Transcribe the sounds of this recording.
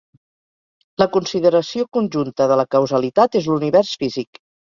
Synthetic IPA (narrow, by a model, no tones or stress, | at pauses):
ləkunsiðəɾəsiokunʲʒunt̪əðələkəwzəlit̪at̪ezluniβɛrsfizik